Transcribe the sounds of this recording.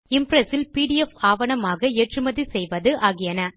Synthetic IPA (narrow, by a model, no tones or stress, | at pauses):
ɪmpɾɐsɪlpiːɽɪjɛfaːʋɐɳɐmaːɣɐeʈrɯmɐðisɛjʋɐðɯʔaːɣɪjɐnɐ